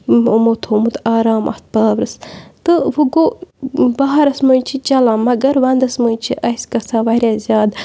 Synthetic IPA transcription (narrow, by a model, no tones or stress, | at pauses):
omot̪ʰoːmut̪aːɾaːmʔɐ̰ht̪̚paːʋɾɨst̪ɨʋuɡoːbɐɦɐɾɐsmunt͡ʃʰit͡ʃɐlãːmːɐɡɐɾʋɐnd̪ɐsmunt͡ʃʰiʔɐskɐsãːʋɐɾjaːzʲjaːd̪